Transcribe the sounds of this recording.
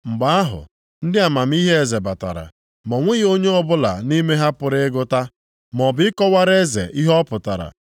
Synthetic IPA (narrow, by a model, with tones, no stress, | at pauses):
ŋ͡m̩˨ɡ͡ba˨˦a˦ɦʊ̰˨ | n̩˦dɪ˦a˨ma˨m̩˦i˦ɦe˦e˨ze˨ba˨ta̰˨ɾa̰˨ | mɔ˨ŋʷe˦ɣo˦ɲe˦ɔ˦bʊ˦la̰˨ni˦me˦ɦa˦pʊ˨ɾɪ˦ɡʊ˦ta˦ | m˨ɔ˨bɪ˨˦ɪ˦kɔ˦wa˦ɾe˦zḛ˨ʔi˦ɦɔ˦pʊ˨ta̰˨ɾa̰˨